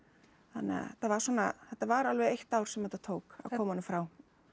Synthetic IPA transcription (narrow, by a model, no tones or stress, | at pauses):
θa̰nːɛ̰a̰t̪avaɾ̥sɔːnaθɛt̪ːavaɾalvɛðejht̪awɾ̥sɛmhɛt̪ːat̪ʰoːwka̰ðkʰɔːmaɔnɪmfɾaːw